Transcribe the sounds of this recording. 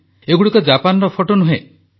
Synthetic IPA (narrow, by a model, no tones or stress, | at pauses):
eɡuɽikɔd͡ʒapanɔɾɔpʰoʈonuɦe